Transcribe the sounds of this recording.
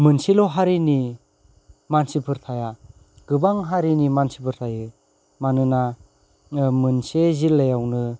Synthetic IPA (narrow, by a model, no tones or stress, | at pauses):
mɯnsilɔɦaɾini | mansipʰɯɾtʰaja | ɡ̥ɯbaŋɦaɾinimansipʰɯɾt̪ʰajɯ | manɯna | mɯnsezilːejawnɯ